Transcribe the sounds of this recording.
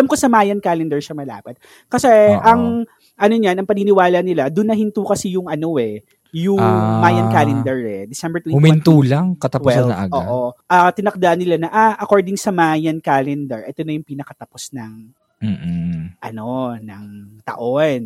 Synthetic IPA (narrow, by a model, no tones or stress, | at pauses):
ʔɐlɐmkosɐmaːjɐnkalɛnd̪ɛɹʃɐmɐla̰ːpɐt̪̚ | kɐsɛʔɐŋ | ʔɐno̞ɲɐnɐŋpɐninɪwaːlɐnɪlad̪ʊnːɐhɪnt̪uːkɐsijʊŋʔɐno̞ɛ | jʊŋmaːjɐnkalɛnd̪ɛɹɛd̪ɪsɛmbɛɹt̪wiʊmɪnt̪uːlaŋkɐt̪ɐwwɛsɐlɐʔɐ̰ɡʔoːʔoʔɐt̪ɪnɐk̚d̪aʔɐnːɪlanɐʔaʔɐkoɹd̪ɪŋsɐmajɐnkalɛnd̪ɛɹʔɛt̪o̞nɐjʊŋpinɐkɐt̪ɐposnɐŋ̩ː | ʔɐno̞nɐŋt̪ɐ̰ʔo̞n